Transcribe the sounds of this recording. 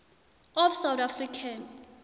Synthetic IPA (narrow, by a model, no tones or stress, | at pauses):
ɔfsawt̪afrikʰan